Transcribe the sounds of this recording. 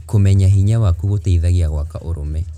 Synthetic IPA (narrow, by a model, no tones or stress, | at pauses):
komɛɲaɦiɲawakuɣotaiðaɣeaɣwakaʔoɾomɛ